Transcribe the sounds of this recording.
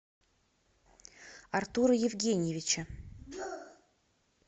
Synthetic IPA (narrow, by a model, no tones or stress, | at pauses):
ɐrt̪uɾəjɪvɡʲenʲɪjɪvʲɪt͡ɕə